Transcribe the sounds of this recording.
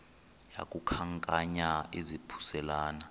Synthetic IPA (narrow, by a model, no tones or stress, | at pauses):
ja̰kʼukʰaŋkʼaɲaizipʰu̥sɛlaːna